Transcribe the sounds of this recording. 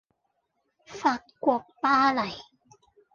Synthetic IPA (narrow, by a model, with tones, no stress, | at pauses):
fa˨˩t̚ku˨˩k̚paː˧la˨˩˦j